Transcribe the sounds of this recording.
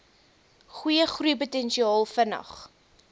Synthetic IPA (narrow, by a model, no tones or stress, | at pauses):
χujəχruəputɛnʃiɑːlˠfənɐ̰χ